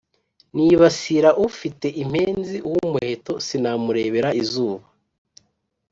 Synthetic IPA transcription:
niβasiɾaʔufite̞ʔim̥heːnziwumuhe̞to̞sinamuɾe̞βe̞ɾaizuːβa

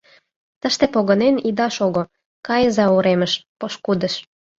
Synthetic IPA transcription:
t̪əʃt̪epoɣə̆nenid̪ɑʃoɣo | kɑjəzɑuɾeməʃpoʃkud̪ə̆ʃ

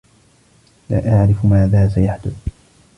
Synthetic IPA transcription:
la̰ːʔaʕɾɪfʊmaːðaːsajaħd̪ʊθ

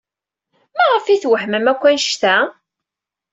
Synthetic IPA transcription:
mæʁəfiθwəħməmækʷːænʃt̪æ

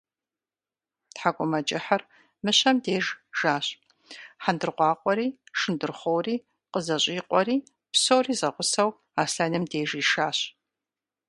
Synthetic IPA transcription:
tħaɡʷʼɔmɐt͡ʃʼɪħar | mɨɕɐmdeːʒʒ̥aːɕʼ | ħandɨrqʷɑːqʷʼɔɾiːʂɨndɨrχʷowriː | qəzɐɕʼːqʷʼɔɾiː | psowriːzɐʁʷʊsɐw | aːsaːnɨmdeːʒiːʃaːɕ

